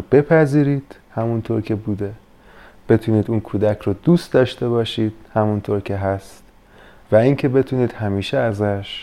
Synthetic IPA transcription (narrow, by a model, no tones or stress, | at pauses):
b̥e̞pʰæziːɾiːd̪̥ | hæmunt̪ʰoːɾcʰe̞buːd̪e̞ | b̥e̞t̪ʰuːniːd̪uːnkʰuːd̪æcʰɾoːd̪uːst̪d̪ɒːʃt̪e̞βɒːʃiːd̪̥hæmunt̪ʰoːɾcʰe̞ɦæst̪ | væiŋcʰe̞be̞t̪ʰuːniːd̪̥hæmiːʃeæzæʃ